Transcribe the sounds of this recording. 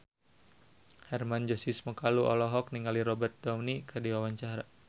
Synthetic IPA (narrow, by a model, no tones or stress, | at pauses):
hɛrmand͡ʒɔsisməkaluʔɔ̰lɔɦɔk̚niŋaliɾɔbɛrt̪̚dɔmnikʰərdiwawaɲt͡ʃaɾa